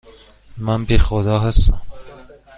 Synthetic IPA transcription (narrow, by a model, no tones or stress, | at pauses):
mænbexod̪ɒːɦæst̪æm